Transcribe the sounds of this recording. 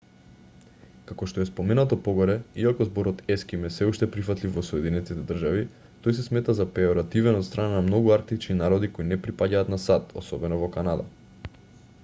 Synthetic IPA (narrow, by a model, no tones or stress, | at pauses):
kakoʃt̪oɛspomɛnat̪opoɡoɾɛiakɔzboɾɔt̪ɛskimɛsɛuʃt̪ɛpɾifat̪lifvɔsɔɛd̪inɛt̪it̪ɛd̪r̩ʒavi | t̪ojs̬ɛsmɛt̪azapɛoɾat̪ivɛnɔt̪st̪ɾʔananamnoɡuaɾk̚t̪it͡ʃninaɾɔd̪ikoinɛpɾipaɟaːt̪nasat̪o̰sɔbɛnovɔkanad̪a̰